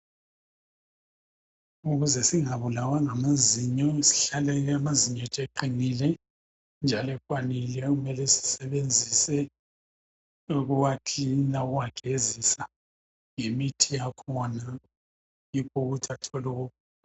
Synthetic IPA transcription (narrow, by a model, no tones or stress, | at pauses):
uɣuzɛsiŋaβulawaŋamaziɲɔisi̥ɬalɛjamaziɲɔtʼeǃiŋilɛ | nd͡ʒʱalɛkʼwanilɛɣumɛlɛsi̥sɛβend͡zʱisɛ | uɣuwakʰinaɣuwaɡ̥ʱezisa | ŋemitʰijakʰɔna | jikʰuɣutʰatʰɔluɣuk